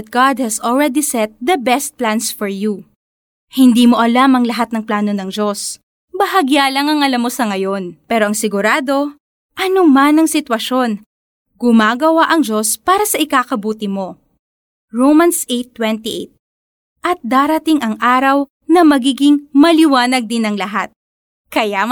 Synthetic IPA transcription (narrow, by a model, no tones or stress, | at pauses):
t̪̚ɡ̥ad̪̚hɛsɔlɹɛd̪isɛt̪̚d̪ɐbɛst̪̚plansfoɹju | hɪnd̪iːmo̞ʔɐlamɐŋlɐɦat̪̚nɐŋplaːno̞nɐŋd͡ʒo̞s | bɐɦɐɡjaːlɐŋɐŋɐlamːo̞sɐŋɐjo̞npɛːɾo̞ʔɐŋsɪɡʊɾaːd̪o̞ | ʔɐnomanɐŋsɪt̪wɐʃo̞n | ɡ̥ʊmaːɡɐwaʔɐŋd͡ʒo̞spaːɾɐsɐʔɪkaːkɐbuːt̪ɪmo̞ | ɹowmɐnsʔejt̪ːwɛnt̪iʔḛt̪̚ | ʔɐt̪̚d̪aːɾɐt̪ɪŋʔɐŋʔaːɾɐw | nɐmɐɡiːɡɪŋmɐlɪwaːnɐɡ̚d̪ɪnɐŋlɐɦat̪̚ | kɐja